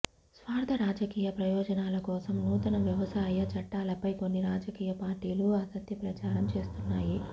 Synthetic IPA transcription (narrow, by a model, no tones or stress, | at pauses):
sʋaːɾd̪ʰʱɐɾaːd͡ʒɐkiːjɐpɾɐjɔːd͡ʒɐnaːlɐkɔːsɐmnuːt̪ɐnɐʋjɐʋɐsaːjɐt͡ʃɐʈːaːlɐpɐjko̞nːiɾaːd͡ʒɐkiːjɐpaːɾʈiːluɐːsɐkt̪jɐpɾɐt͡ʃaːɾɐmt͡ʃe̞ːst̪unːaːji